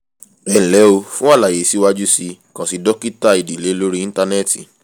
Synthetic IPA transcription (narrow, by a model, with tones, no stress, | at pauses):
ɛ̃˦˨lɛ˨˦o˧fũ˦a˦˨la˨je˨si˦wa˧d͡ʒu˦si˧kã˨si˧dɔ˦ki˦ta˦i˨di˨le˨˦lo˦ɾi˦ĩ˦ta˧nɛ˦˨ti˨